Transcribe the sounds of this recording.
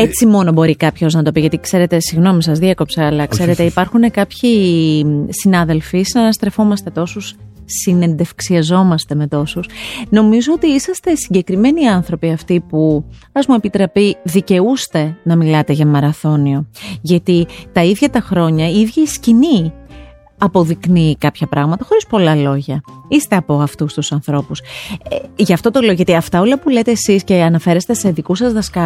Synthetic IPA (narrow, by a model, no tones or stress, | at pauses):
e̞t͡simo̞no̞bo̞ɾikɐpço̞znɐt̪o̞piʝɐt̪ikse̞ɾe̞t̪e̞siɣno̞misɐzðiɐko̞pseɐlɐkse̞ɾe̞t̪eipɐɾxune̞kɐpçi | sinɐðe̞lfisinɐnɐst̪ɾe̞fo̞mɐst̪e̞t̪o̞susː | ine̞nd̪e̞fksiɐzo̞mɐst̪e̞me̞t̪o̞susno̞mizo̞ot̪iisɐst̪e̞siɲɟe̞kɾime̞niɐnθɾo̞piɐft̪ipu | ɐzmue̞pit̪ɾɐpiðice̞ust̪e̞nɐmilɐt̪e̞ʝɐmɐɾɐθo̞nio̞ʝɐt̪it̪ɐiðʝɐt̪ɐxɾo̞ɲɐiðʝɐiscini | ɐpo̞ðiknikɐpçɐpɾɐɣmɐt̪ɐxo̞ɾispo̞lɐlo̞ʝɐist̪e̞ɐpoɐft̪ust̪usɐnθɾo̞pus | ʝɐːft̪o̞t̪o̞le̞oʝɐt̪iɐft̪ɐo̞lɐpulet̪e̞ːsisce̞ɐnɐfe̞ɾest̪e̞se̞ðikusɐzðɐskɐ